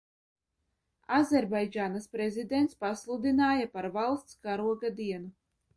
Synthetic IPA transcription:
azʲɛɾbajd͡ʒaːnaspɾezʲid̪eɛnt̪spaslˠud̪inaːjapaɾvalˠst̪skaɾuɔɡad̪iɛnu

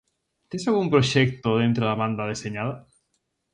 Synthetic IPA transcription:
t̪ẽsalɣumpɾoʃɛk̚t̪oðent̪ɾoðaβand̪aðeseɲað̞a

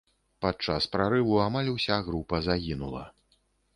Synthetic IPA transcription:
pat͡ʂaspɾaɾɨvuamalʲusʲaɣɾupɐzaɣʲinulˠɐ̰

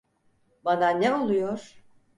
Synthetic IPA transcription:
bananɛo̞lˠujoɾ̥

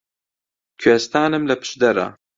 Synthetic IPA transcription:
kʰɥest̪aːnɨmlɐpʰɨ̥ʃd̪ɐɾɐ̰

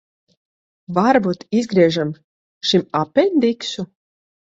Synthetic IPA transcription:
vaɾbut̪izɡɾiɛʒam | ʃimapʲɛnʲd̪iksu

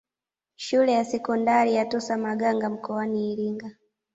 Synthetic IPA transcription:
ʃulɛjasɛkɔndaɾijatɔsamaɠaŋɡam̩kɔaniːɾiŋɡa

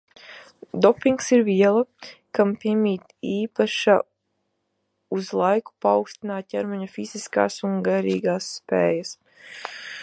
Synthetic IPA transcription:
d̪ɔpiŋksiɾviɛlˠakampʲiɛmʲiːt̪iːpaʃa | uzlˠajku̥pawkst̪inaːt̪̚cɛɾmɔɲafiz̥iska̰ːsuŋɡaɾiːɡaːsːpḛːjas

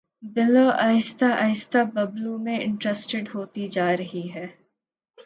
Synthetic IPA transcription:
bɪloaːɪst̪ʰaʔɐɪst̪abɐblumẽɪ̰̃ɳʈɾesʈɪɖɦoːt̪id͡ʒaːɾɐɦiɦɛː

